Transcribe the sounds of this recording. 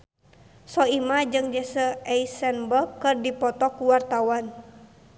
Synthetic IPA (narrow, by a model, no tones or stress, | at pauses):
sɔimad͡ʒɨŋd͡ʒɛsəɛisɛnbəkːɨrdipɔt̪ɔkuwart̪awan